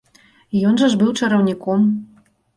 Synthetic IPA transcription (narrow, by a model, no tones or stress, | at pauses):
jɔnʐɐʐbɨwt͡ʂɐɾɐwnʲikɔm